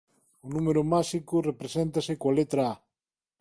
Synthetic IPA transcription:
ʊnumeɾʊmaʃikʊrepɾesent̪ɐsɪkoalet̪ɾaa

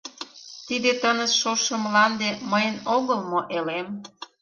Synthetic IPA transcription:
t̪id̪et̪ənə̆sʃoʃə̆mlɑnd̪eməjənoɣəlmoʔelem

